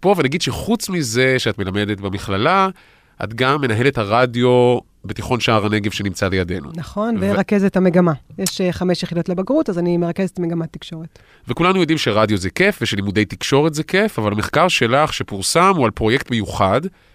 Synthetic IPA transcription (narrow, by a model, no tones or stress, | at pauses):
po̞venaɡid̪ʃeχut͡smize̞ʃeatme̞lame̞d̪etbemiχlala | ʔa̰tɡamːe̞naɦe̞le̞thaʁadjo̞ | betiχo̞nʃaaʁane̞ɡe̞vʃenimt͡salejade̞nṵnaχo̞nveʁakezethameɡamajeʃχameʃjeχidotlebaɡʁutazanimeʁakezetmeɡamat̪ːikʃoʁet | vekulanujo̞dimʃeʁadjo̞zɛkefveʃelimude̞jtikʃo̞ʁetzekefavalameχkaʁʃe̞laχʃepuʁsamualpʁo̞jektbejuχad